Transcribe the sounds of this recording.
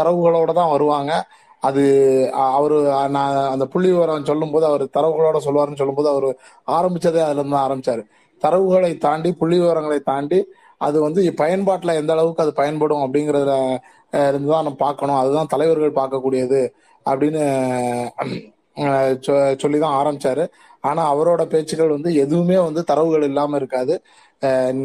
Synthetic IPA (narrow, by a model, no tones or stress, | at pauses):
t̪ɐɾɐʋɯɣɐɭoːɽɐt̪ãːʋɐɾɯʋaːŋɡɐː | ðɯɐʋɐɾɯnãːɐnd̪ɐpʊɭːɪʋoːɾɐ̃sɔlːɯmpoːðɯɐʋɐɾɯt̪ɐɾɐʋɯɣɐɭoːɽɐs̬ɔlːɯʋaːɾɯnːɯs̬ɔlːɯmpoːðɯɐʋɐɾɯ | aːɾɐmbɪt͡ʃːɐðeɐðɪlɐɾɯnd̪d̪ãaːɾɐmbɪt͡ʃːaːɾɯ | t̪ɐɾɐʋɯɣɐɭɐɪt̪aːɳɖipʊɭːɪʋoːɾɐŋɡɐɭɐɪt̪aːɳɖi | ɐ̰ðɯʋɐnd̪ɯpɐjɐnpaːʈːlɐɛnd̪ɐːɭɐʋɯkːɯɐðɯpɐjɐnpɐɽʊ̃ɐp̬ːɐɽɪŋɡɪɾɐðɯl | ɪɾɯnd̪ɯt̪ãːnɐmːɐpaːɾkɐɳʊ̃ɐðɯt̪ãːt̪ɐlɐɪʋɐɾɣɐɭpaːɾkɐkːuːɽɪjɐðɯ | ɐpːɐɽɪnːɯ | sɔlːit̪ãːaːɾɐmbɪt͡ʃːaːɾɯ | aːnaːɐʋɐɾoːɽɐpeːt͡ʃːɯɣɐɭʋɐnd̪ɯɛðɯʋɯmeːʋɐnd̪ɯt̪ɐɾɐʋɯɣɐɭɪlːaːmɐɪɾɯkːaːðɯ